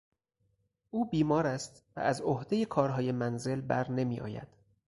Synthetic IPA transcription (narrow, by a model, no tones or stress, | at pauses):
ʔuːbiːmɒːɾæst̪væ̰æzohd̪e̞jekʰɒːɾɦɒːje̞mænze̞lbæɾne̞miːʔɒ̰ːjæ̰d̪̥